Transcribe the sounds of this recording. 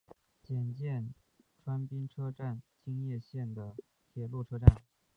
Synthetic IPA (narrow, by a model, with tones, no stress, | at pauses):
t͡ɕjɛ˨˩nt͡ɕjɛ˥˩n | ʈ͡ʂʰwa˥npi˥ŋʈ͡ʂʰɤ˥ʈ͡ʂa˥˩nt͡ɕi˥ŋjɛ˥˧ɕjɛ˥˩nd̪ə˩ | t̪ʰjɛ˨˩lu˥˩ʈ͡ʂʰɤ˥ʈ͡ʂa˥˩n